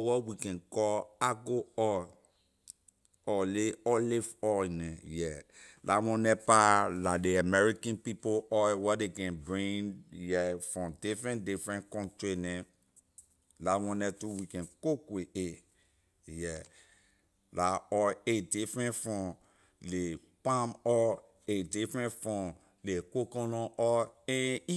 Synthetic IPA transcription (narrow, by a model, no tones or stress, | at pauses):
wɔwikɛ̃nkɔaɡoɔ | ɔleɔlefɔnɛ̃jɛlawɔ̃nɛpaladeamɛɹikãnpipoɔjwɔdekɛ̃nbɹĩnjɛfɹɔ̃mdifɹɛ̃ndifɹɛ̃nkɔ̃ntɹinɛ̃ | lawɔ̃nɛtuwikɛ̃nkokwee | jɛ | laɔedifɹɛ̃nfɹɔ̃m | le | pãmɔ | edifɹɛ̃nfɔ̃m | lekokɔ̃nɔ̃ʔɔɛ̃i